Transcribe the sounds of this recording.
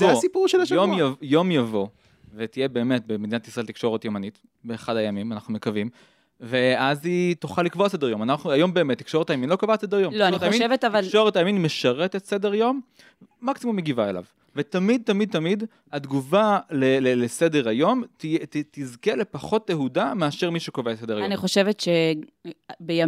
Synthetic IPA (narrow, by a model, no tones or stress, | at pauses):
zoasipuʁʃelajomajo̞mjavo̞ | vet̪ijebe̞ːme̞t̚beme̞d̪inat̪isʁɐelt̪ikʃo̞ʁet̪jomanit̪ | beːχadhajamimana̰χnume̞kavim | veazit̪uχalikvoase̞d̪ejo̞manaχnuajo̞mbe̞eːmet̪ːi̥kʃo̞ʁetajaminlo̞kavase̞d̪ejomltoantaamiveavakʃo̞ʁetajaminmeʃaʁet̪etse̞deʁjo̞mː | aksimumeɡivaela̰v | vet̪amid̪̚t̪amid̪̚t̪amid̪ | ad̪ɡuvalelelese̞deʁajo̞mt̪ijet̪izkele̞paχo̞tleɦudameaʃeʁmiʃukovtsedeaaniχoʃevetʃe | beja